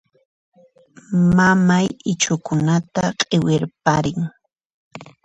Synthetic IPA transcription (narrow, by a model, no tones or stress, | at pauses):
mamajɪt͡ʃʊkʊnat̪aqʼewɪɾpaɾɪŋ